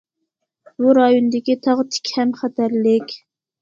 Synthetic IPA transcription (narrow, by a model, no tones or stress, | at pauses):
buɾɑjonɨd̪ɪkʲit̪ʰɑʁt̪ʰɪ̥kʲhɛmχæt̪ʰæɾlɪkʲ